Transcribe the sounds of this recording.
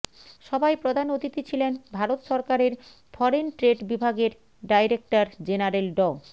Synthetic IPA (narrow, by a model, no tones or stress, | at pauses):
ʃɔbajpɾod̪ʱanot̪it̪it͡ɕʰilenbʱaɾot̪ʃɔɾkaɾeɾ | fʰɔɾenʈɾeɖbibʱaɡeɾ | ɖajɾek̚ʈaɾd͡ʑenaɾelɖɔ